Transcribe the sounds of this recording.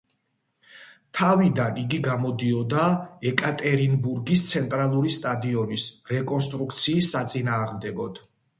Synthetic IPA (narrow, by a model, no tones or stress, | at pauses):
t̪ʰavid̪aniɡiɡamɔd̪iɔd̪aɛkʼat̪ʼɛɾinbuɾɡist̪sʰɛnt̪ʼɾalˠuɾist̪ʼad̪iɔnisɾɛkʼɔnst̪ʼɾuk̚t̪sʰiːsːat̪sʼinaːʁmd̪ɛɡɔd̪̥